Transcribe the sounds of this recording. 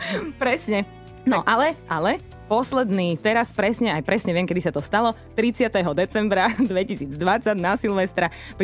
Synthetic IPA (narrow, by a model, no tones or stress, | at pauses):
pɾɛsɲɛ | nɔʔalɛʔalɛ | pɔslɛd̪niːt̪ɛɾaspɾɛsɲɛajpɾɛsɲɛʋɪɛmkɛd̪isat̪ɔst̪alɔt̪ɾit͡sɪat̪ɛɦɔd̪ɛt͡sɛmbɾad̪ʋɛcisiːd͡zd̪ʋat͡sːaɟnasilˠʋɛst̪ɾa | p